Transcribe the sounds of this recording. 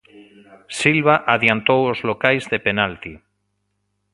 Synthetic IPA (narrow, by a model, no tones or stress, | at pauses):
silβaʔaðjant̪owozlokajzðepenalt̪i